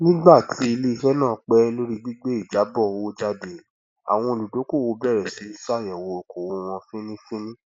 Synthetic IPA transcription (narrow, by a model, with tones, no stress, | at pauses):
nĩ˦ɡ͡ba˦˨tʰi˨˦i˧le˦i˧hɛ˦nãː˦˨˦k͡pɛ˦lo˦ɾi˦ɡ͡bi˦ɡ͡be˦i˦˨d͡ʒa˨˦bɔ˦˨o˦d͡ʒa˧de˨ | a̰˨w̃ɔ̃˧o˨lu˨do˨˦ko˦˨wo˧˦bɛ˦˨ɾɛ˨si˨˦i˦sa˦˨jɛ˨wo˧o˨ko˨wo˧w̃ɔ̃˧fĩ˦nĩ˦fĩ˦nĩ˦